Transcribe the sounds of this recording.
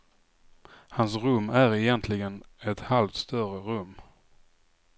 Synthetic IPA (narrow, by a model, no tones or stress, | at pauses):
hans̬ɾɵmːæɾɛjɛnt̪ʰlɪɡənɛt̪halft̪st̪œrəɾɵmː